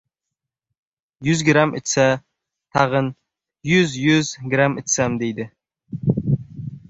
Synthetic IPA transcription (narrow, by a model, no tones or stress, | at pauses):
jʏzɡɾamɪt̪sa | t̪ʰɑʁən | jʊzjʊzɡɾamɪt̪samd̪ejd̪ɪ